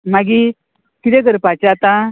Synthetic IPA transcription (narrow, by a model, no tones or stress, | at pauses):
maɡi | kiɾeɡəɾpat͡ɕat̪ã